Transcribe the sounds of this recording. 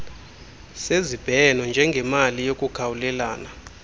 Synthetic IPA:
sezib̥ʱɛnɔnd͡ʒʱɛŋɡʱɛmalijokʼuɡ̥ʰʱawulɛlaːna

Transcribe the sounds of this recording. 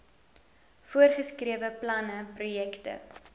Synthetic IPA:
fuərχəskriəvəplɐnəprujɛktə̰

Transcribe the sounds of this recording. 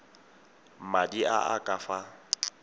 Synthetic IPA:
madiaʔakʼafa

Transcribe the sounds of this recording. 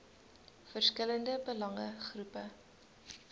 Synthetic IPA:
fərskələndəbəlɐŋəχrupə

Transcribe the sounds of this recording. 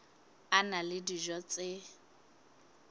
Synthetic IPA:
analɪdiʒɔt͡sʼɪ

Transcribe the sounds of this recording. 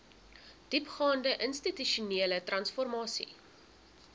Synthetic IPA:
d̥ipχɑːndəʔənstityʃuniːlətrɐnsfɔrmɑːsḭ

